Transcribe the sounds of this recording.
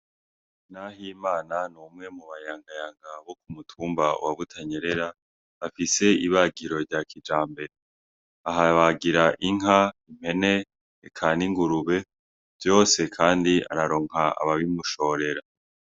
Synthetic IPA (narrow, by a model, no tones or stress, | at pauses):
nahimaːnanumŋe̞muβajaːŋɡajaːŋɡaβo̞kumutʰuːmbaṵwaβutʰaɲe̞ɾe̞ɾa | afise̞iβaɡiɾo̞ɾɟakʰid͡ʒaːmbe̞ɾe | aɦaβaɡiɾaʔiŋɦaim̥he̞ne̞ː | kʰaniŋɡuɾuβe̞ | v̥jo̞ːse̞kʰaːndia̰ɾaɾo̞ːŋ̥aa̰βaβimuʃo̞ɾe̞ɾa